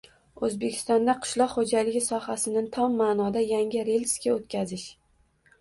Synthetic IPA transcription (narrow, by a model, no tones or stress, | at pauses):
ɵzbe̞kʲʰɪ̥st̪ɒnd̪aqʰɨ̥ʃlˠɒqχod͡ʒalɪɡʲɪsɒhasɪnɪt̪ʰɒmːaːnɒd̪ajaŋʲɪɾe̞lʲskʲaot̪kʲʰazɪʃ